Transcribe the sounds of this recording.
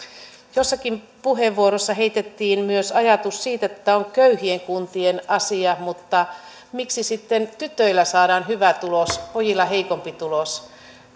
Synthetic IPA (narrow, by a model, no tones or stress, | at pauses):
josːɑkim | puɦeʋːuoɾosːɑɦeit̪et̪ːiːnmyøsɑjɑt̪usːiːt̪et̪ːæoŋkøyhieŋkunt̪ienɑsiɑmut̪ːɑ | miksisit̪ːent̪yt̪ːˑøilːæsɑːdɑːnɦyʋæt̪ulospojilːɑɦe̞ikompit̪ulos